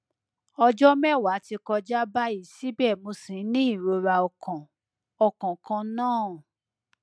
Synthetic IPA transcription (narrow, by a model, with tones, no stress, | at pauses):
ɔ˧d͡ʒɔ˦mɛ˦˨wa˨˦ti˧kɔ˧d͡ʒa˦ba˦i˦˨si˦bɛ˦˨mo˧sĩ˨˦nĩ˦i˦˨ɾo˧ɾa˧ɔ˧˨kʰã˨ | ɔ˧˨kã˨kã˧˦nãː˦˨